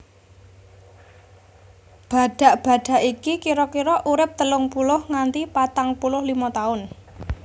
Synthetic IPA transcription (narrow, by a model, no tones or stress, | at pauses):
b̥a̤ɖ̥a̤ʔb̥ä̤ɖ̥a̤ʔikikiɾɔkiɾɔʔuɾɪp̚t̪əlʊŋpulʊhŋant̪ipat̪aŋpulʊhlimɔt̪aʊn